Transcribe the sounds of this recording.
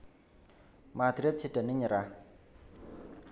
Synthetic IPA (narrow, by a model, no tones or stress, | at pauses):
mat̪ɾet͡sʰiʈ͡ʂəniɲəɾa